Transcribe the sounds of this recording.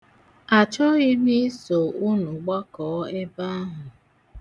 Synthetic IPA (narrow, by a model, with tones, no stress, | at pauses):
a˨t͡ʃɔ˦ɣi˦mi˦so˨u˦nu˨ɡ͡ba˦kɔ˨˦e˦ba˦a˦ɦʊ˨